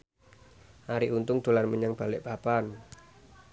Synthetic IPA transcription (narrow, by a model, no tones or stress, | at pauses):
ʔaɾiʔunt̪ʊŋd̪̥o̤larməɲaŋb̥a̤lɪʔpapan